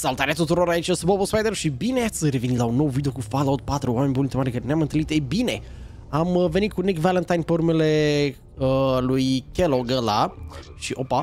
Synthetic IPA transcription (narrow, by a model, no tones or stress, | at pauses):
salut̪aɾeat̪ut̪uɾo̞ɾait͡ʃəsubobospajd̪eɾʃibineat̪sʲɾe̞vinilaunːo̞wvid̪eo̞kufalowt̪̚pat̪ɾuame̞nʲbult̪emaɾekaɾeneamɨnt̪ɨlit̪ebine̞ | aməve̞nit̪̚kunikvalənt̪ajnpeuɾumele̞ | əlujkʲeloɡəlaʃiʔo̞pa